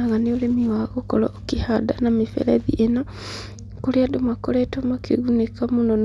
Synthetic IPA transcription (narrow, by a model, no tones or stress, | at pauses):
aɣaneoɾemiwaɣokɔlɔ̰kihadanamifɛ̰ɾɛðḭʔena | koɾeadomwakoɾɛtomakeɣunekamunɔn